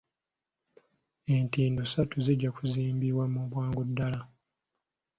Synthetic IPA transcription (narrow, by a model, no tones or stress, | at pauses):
e̞ntiːndusatuziɟːakuziːmbiβwamuβwaːŋɡudːala